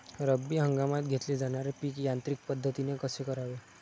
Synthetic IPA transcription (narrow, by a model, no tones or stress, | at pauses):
ɾəbːiɦəŋɡamat̪ɡʱet̪led͡zaɽ̃aɾepiːkjant̪ɾik̚pəd̪ʱːət̪inekəsekəɾaʋe